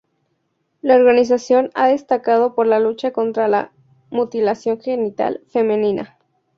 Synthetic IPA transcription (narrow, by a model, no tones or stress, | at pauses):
laoɾɣanis̬asjo̞na̰ðe̞st̪akað̞o̞po̞ɾlalut͡ʃako̞nt̪ɾala̰ | mut̪ilasjo̞ŋxe̞nit̪a̰lfe̞mẽnĩna̰